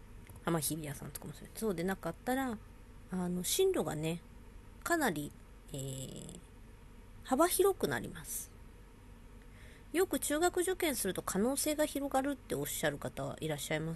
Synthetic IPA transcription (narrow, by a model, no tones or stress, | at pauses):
hamaçibʲiasã̰nt͡sɨ̥kamsɾe̥soːd̪e̞nakat̪ːaɾaː | no̞ɕĩnɾo̞ɡa̰ne̞ | kanaɾʲi | eː | haβaçiɾo̞kɯ̟na̰ɾʲḭmasɨ̥ | jo̞kɯ̟t͡ɕɨːɡakɯ̟ʑo̞kẽ̞ɰ̃sɨɾɯ̟t̪o̞kʰano̞ːse̞ːɡaçiɾo̞ɡaɾɯ̟t̪ːe̞o̞ɕːaɾɯ̟kat̪aβa̰ʔiɾaɕːaimḁ